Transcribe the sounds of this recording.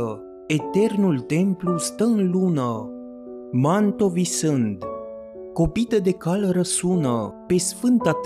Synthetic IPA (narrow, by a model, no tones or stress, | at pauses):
ə | et̪ernult̪emplust̪əɨnlunə | mant̪ovisɨnd̪ | kopit̪əd̪ekaləɾəsunəpesfɨnt̪at̪